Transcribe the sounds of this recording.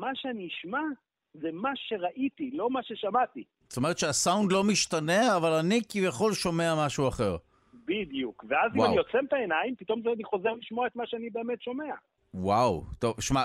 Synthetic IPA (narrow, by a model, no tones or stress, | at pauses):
maʃeaniiʃma | zemaʃe̞ʁaʔit̪ilo̞maʃe̞ʃamat̪i | st̪ome̞ʁt̪ʃeasaundlo̞miʃtane̞avalanikivjaχo̞lʃo̞me̞amaʃuaχe̞ʁ | bid̪ijukveaziwamaijo̞t͡semt̪aenajimpit̪o̞mzeaniχo̞zeʁliʃmoaet̪maʃeanibe̞eːme̞t̪ʃo̞me̞a | wawt̪o̞vʃma